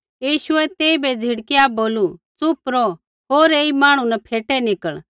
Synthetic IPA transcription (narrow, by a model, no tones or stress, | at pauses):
jiːʃʊɛt̪eːibɛd͡zʱɪɽkijaboːlut͡sʊpɾɔ | ɦoːɾeːimãːɽ̃ũnɛpʰeːʈɛnɪkəɭ